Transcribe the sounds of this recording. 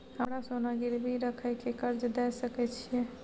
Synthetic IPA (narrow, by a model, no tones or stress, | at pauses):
ɦəɾasonaɡiɾbʱiɾəkʰəjkekəɾd͡ʒd̪ɛsəkɛt͡ʃʰijɛ